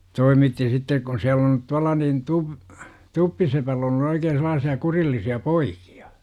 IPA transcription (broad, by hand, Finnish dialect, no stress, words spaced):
toimitːi sitːek kun siæl on tuɑlːɑ niːn tu tupːisepælː olːu oikeːn̞ selˑɑːsiɑ kurilːisiɑ poiki̥ɑ̥